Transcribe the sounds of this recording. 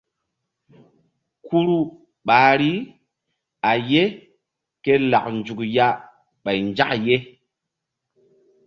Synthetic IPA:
ku˦ɾu˦ | ɓaː˨ɾi˦ | a˨je˦ | ke˦la˨knd͡ʒu˨kja˦ | ɓa˨jnd͡ʒa̰˦kje˦

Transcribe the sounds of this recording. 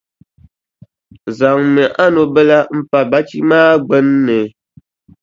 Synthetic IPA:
za˨ŋmɛ˨ʔa˦no˨bɛ˦la˦m̩˨pa˨ba˦t͡ʃi˦maː˦ɡ͡bɛ˦nː˦ɛ˨

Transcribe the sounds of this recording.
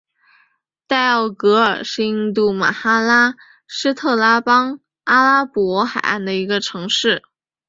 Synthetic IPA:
t̪a˥˩ɪɑ˥˩ʊkɤ˧˥ə˞˨˩ʂɻ̩˥˧i˥ŋt̪̬u˥˩ma̰˨˩xa˥la˥ | ʂɻ̩˥t̪ʰɤ˥˧la˥pɑ˥ŋ | a˥la˥pwɔ˧˥xa˨˩ɪʔa̰˥˩nd̪ə˩i˧˥ɡə˧ʈ͡ʂʰɤ˧˥ŋʂɻ̩˥˩

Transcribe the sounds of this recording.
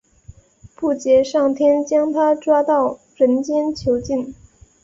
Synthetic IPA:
pu˥˩t͡ɕjɛ˧˥ʂɑ˥˩ŋt̪ʰjɛ˥nt͡ɕjɑ˥ŋt̪ʰa˥ʈ͡ʂwa˥t̪ɑ˥˩ʊ | ɻə˧˥nt͡ɕjɛ˥nt͡ɕʰjo˧˥ʊt͡ɕi˥˩n

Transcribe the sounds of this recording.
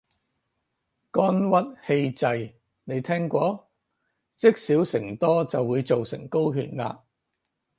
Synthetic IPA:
kɔː˥nwɐ˥t̚he˧jt͡sɐ˧j | ne˨˧jt̪ʰɛː˥ŋkʷɔː˧˥ | t͡sɪ˥k̚siː˨˥wsɪ˨˩ŋt̪ɔː˥t͡sɐ˨wːuː˨˧jt͡so˨wsɪ̰˨˩ŋko˥wɦy̰ː˧˩nla̰ː˧

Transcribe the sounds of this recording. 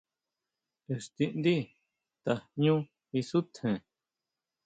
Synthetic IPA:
e˧st̪i˧nd̪i˦ | t̪a˨ɲũ˦ | i˧su˦t̪ʰhẽ˨

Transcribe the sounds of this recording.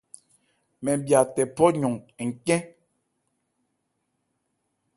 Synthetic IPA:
mɛ˨bja˨tɛ˨pɔ˦ɲɔ˨ŋ˨ŋ̩˨kɛ̃˦

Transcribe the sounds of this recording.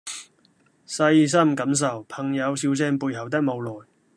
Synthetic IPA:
sɐ˧js̬ɐ˥mkɐ˨˥ms̬ɐ˨˩wpʰɐ˨˩ŋjɐ˨˧wsiː˧wt͡sɛː˧ŋpuː˧jhɐ˨˩wt̪ɐ˥k̚mo˨˧wlɔː˨j

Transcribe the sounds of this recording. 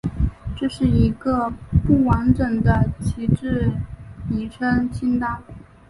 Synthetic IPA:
ʈ͡ʂɤ˥˧ʂɻ̩˥˩i˧˥ɡə˧pu˥˩wa˧˥nʈ͡ʂɤ˨˩ŋd̪ə˦t͡ɕʰi˧˥ʈ͡ʂɻ̩˥˩ | i˧˥ʈ͡ʂʰə˥ŋt͡ɕʰi˥nt̪a˥˩

